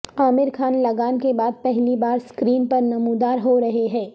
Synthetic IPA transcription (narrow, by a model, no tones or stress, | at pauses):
aːmɪɾkʰaːnlɐɡaːnkebaːd̪̚pɛɦlibaːɾskɾiːnpɐɾnɐmuːd̪aːɾɦoɾɐɦeɦɛ̃ː